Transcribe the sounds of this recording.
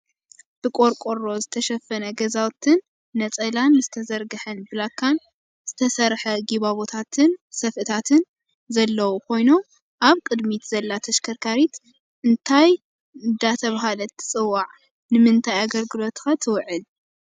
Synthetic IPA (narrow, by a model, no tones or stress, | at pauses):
b̥ɨkʼoɾkʼoɾo̞zɨt̪ʰɐʃɐfːɐnɐɡɐzawt̪ʰɨnː | ɐt͡sʼɐlanːɨzɨt̪ʰɐzɐɾɡɨħɐnbɨlakʰːan | z̥ɨt̪ʰɐsɐɾħɐɡiβaβot̪ʰat̪ʰɨnsɐfʔɨt̪ʰat̪ʰɨn | zɐlːɐwukʰo̞jno̞m | ʔaβkʼɨd̪mit̪zɐlːat̪ʰɐʃkʰɐɾkʰaɾit̪ | ʔɨnt̪ʰaj | d̪at̪ʰɐβaɦalɐt̪ʰɨ̥t͡sʼɨwːaʕ | nɨmɨnt̪ʰajaɡɐlɡɨlo̞t̪xat̪ʰɨwʕɨl